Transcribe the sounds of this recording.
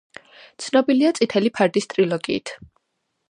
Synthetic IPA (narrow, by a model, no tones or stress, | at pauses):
t̪sʰnɔbiliat̪sʼit̪ʰɛlipʰaɾd̪ist̪ʼɾilɔɡiːt̪ʰ